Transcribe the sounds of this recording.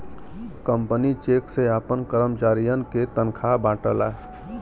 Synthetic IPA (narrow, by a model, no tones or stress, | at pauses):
kəmpənit͡ʃekseapənkəɾəmt͡ʃaɾijənket̪ənkʰabãʈəla̰ɦ